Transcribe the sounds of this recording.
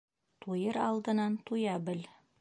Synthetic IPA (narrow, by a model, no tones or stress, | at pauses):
t̪ujɤɾɑlˠd̪ɤ̆nɑnt̪ujɑbɘl